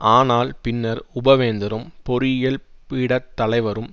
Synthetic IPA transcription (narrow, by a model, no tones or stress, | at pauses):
ʔaːnaːlpɪnːɐɾʊbɐʋeːnd̪ɐɾɯmpɔɾɪjɐlpiːɽɐt̪ːɐlɐɪʋɐɾɯm